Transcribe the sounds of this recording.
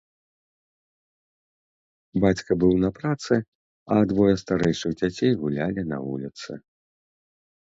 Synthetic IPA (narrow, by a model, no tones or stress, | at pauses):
bat͡sʲkɐbɨwnɐpɾat̪sɨ | ɐd̪vɔjɐst̪aɾɛjʂɨɣd͡zʲat͡sʲejɣulʲalʲinɐ̰vṵlʲit̪sɨ̰